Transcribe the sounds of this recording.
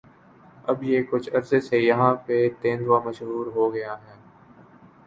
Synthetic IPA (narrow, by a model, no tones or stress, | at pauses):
ɐbjeːkʊt͡ʃʰɐɾsesejɐɦãpet̪ẽːnd̪ʋamɐʃɦuːɾɦoɡɐjaɦɛː